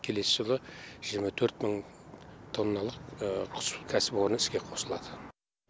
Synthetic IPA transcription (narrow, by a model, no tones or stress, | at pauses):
kʲʰe̞le̞sɪʒəlˠəʒ̥ijəɾmɑt̪ʰɵɾt̪məɴ | t̪ʰo̞nːɑlˠəqqʰʊ̥skʲʰæsɪpo̞ɾnəɪskʲe̞qʰo̞səlˠɑd̪ə